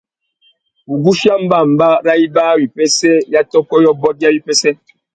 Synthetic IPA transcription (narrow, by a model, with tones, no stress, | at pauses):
u˨ɡu˦ʃi˦a˦m̩˦ba˦˨m̩˨ba˦ɾa˦i˦baː˦wi˨pɛ˦sɛ˦ja˦tɔ˦kɔ˦jɔ˦bɔ˦t̚ja˦wi˦pɛ˦sɛ˦